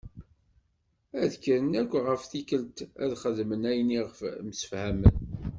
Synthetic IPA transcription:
æðkəɾənækʷːʁəfθikəlt̪æðχəðmənæjniʁəfmsə̥fhæmən

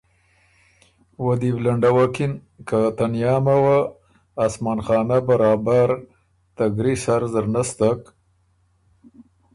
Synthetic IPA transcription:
wad̪iblaɳɖawakin | kat̪anjɑːmawaː | smanxɑːnabaɾɑːbaɾ | t̪aɡɾisaɾzəɾnast̪ak

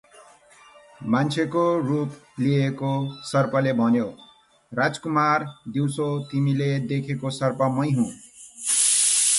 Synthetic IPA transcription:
mant͡sʰekorupliekosʌrpʌlebʱʌnjo | rad͡zkumard̪iwsot̪imiled̪ekʰekosʌrpʌmʌjɦũ

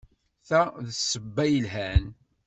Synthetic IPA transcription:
θæðsəbːæjəlɦæn

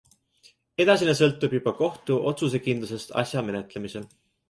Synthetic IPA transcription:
e̞d̪̥ɑsʲinesɤ̞lt̪ːˑubjub̥ɑko̞ht̪uʔo̞t̪sus̬e̞kind̪lus̬e̞st̪ɑ̰sʲjɑme̞ne̞t̪ˑle̞mise̞l

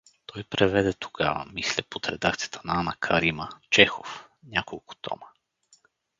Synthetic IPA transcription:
t̪ɔjpɾɛvɛd̪ɛt̪ʰo̥ɡa̰və̰mislɛpot̪ɾɛd̪ak̚t̪sijət̪ʰənaanɐkʰɐɾimət͡ʃɛxofnʲakolˠkʊ̥t̪ʰɔ̰mə

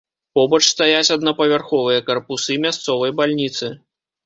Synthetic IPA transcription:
pɔbɐt͡ʂst̪ajat͡sʲɐd̪nɐpɐvʲarxɔvɨjɐkɐrpusɨmʲast̪sɔvɐjbalʲnʲit̪sɨ

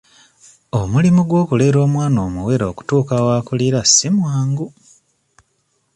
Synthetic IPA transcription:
omulimuɡwo̞ːkule̞ːɾo̞ːmwaːnoːmuwe̞ɾoːku̥tuːkawaːkuliɾasimwaːŋɡu

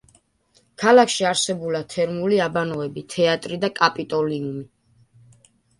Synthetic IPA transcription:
kʰalakʰʃiaɾsɛbulat̪ʰɛɾmuliabanɔɛbit̪ʰɛat̪ʼɾid̪akʼapʼit̪ʼɔliumi

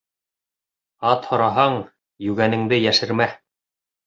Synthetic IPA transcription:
ɑt̪hŏɾɑɦɑɴ | jʉɡænɘ̆ŋd̪ɘjæʃɘ̆ɾmæ

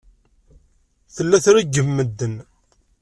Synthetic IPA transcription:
θəlːæθɾæɡəmːəd̪ːən

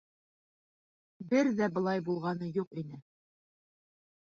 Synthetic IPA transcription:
bɘɾðæbɤ̆lˠɑjbulˠʁɑnɤjuqinɘ

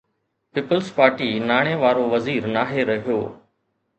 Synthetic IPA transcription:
piːpəlspaːɾʈiːnaːɽ̃ẽːʋaːɾoʋɐziːɾnaːɦeɾɐɦijoː

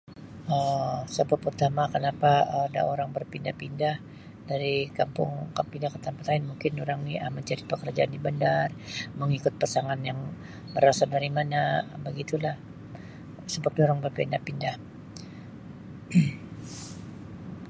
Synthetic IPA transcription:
əsəbʊpurt̪amakənapaəda̰oɾaŋbərpindahpindah | daɾikampʊ̰ŋkapindahkət̪anpat̪aɪnmuŋkɪnuɾaŋniəməɲt͡ʃaɾipəkərd͡ʒaandibəndarməŋikʊt̪̚pasaŋanjaŋ | bəɾasadaɾimanabəɡit̪ulah | səbat̪ioɾaŋbərpindahpindah

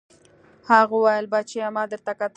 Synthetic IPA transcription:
haɣowɑjəlbat͡ʃeamɑd̪əɾt̪akat̪

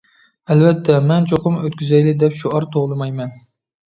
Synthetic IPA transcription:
ɛlvɛt̪ʰːɛmɛnt͡ʃʰoqʊmøt̪kʲyzɛjlɪd̪ɛpʃuɑɾt̪ʰoʁlˠɨmɑjmɛn

